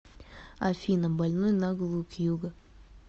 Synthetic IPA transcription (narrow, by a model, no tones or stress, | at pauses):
ɐ̰fʲinəmbɐlʲnojnɐɡlˠukjuɡə